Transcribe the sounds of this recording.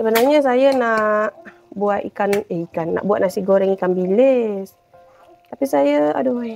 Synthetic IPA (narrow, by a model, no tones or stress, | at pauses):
səbanarɲəs̬ajənaʔ | buat̪ḭkaneikanːa̰ʔbuwaʔ̪̚naʔsiɡoɾɛŋikanbiles | t̪apisajəa̰do